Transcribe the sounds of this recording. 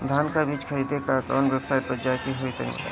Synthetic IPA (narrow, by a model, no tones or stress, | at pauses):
d̪ʱaːnkabiːt͡ʃxʰəɾiːd̪ʱekakɔ̰ːnʋjəbsaːɪʈ̚pɾəd͡ʒaːjkiɦoit̪ɐɦḭ̃